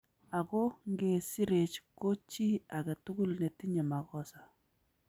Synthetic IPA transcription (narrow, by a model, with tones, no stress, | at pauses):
a˨ko˦ŋɡe˨si˦ɾe˨t͡ʃko˦t͡ʃi˦a˨kɛ˨tu˦ɡu˦lne˨ti˦ɲɛ˨ma˨kɔ˦sa˨